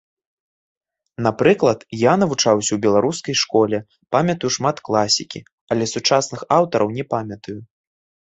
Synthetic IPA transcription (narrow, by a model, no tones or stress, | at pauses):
n̪apɾɨklˠɐt̪janɐvut͡ʂawsʲɐwbʲɛlˠaɾuskɐjʂkɔlʲɛ | pamʲɐt̪ɐjuʂmat̪klˠasʲikʲi | ɐlʲɛsut͡ʂasnɨxawt̪ɐɾʔɐwnʲɛpamʲɐt̪ɐju